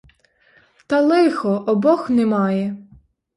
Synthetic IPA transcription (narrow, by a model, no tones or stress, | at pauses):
t̪ɐlˠɪxɔʔɔbɔxnɛmɑjɛ